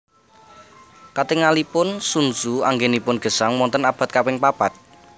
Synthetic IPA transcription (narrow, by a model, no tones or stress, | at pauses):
kat̪eŋalipʊnsunsuaŋɡenipʊnɡ̥ə̤saŋmɔnt̪ənab̥ä̤t̪̚kawɪŋpab̥at̪̚